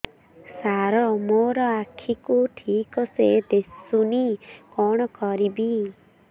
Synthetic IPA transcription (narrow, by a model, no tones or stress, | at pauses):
saɾɔmoɾɔakʰikuʈʰikɔsed̪esunikɔɽ̃ɔkɔɾibi